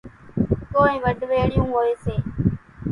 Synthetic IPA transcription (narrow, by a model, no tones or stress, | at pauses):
koːĩːʋəɖʱʋeːɽijũːɦoːeːseː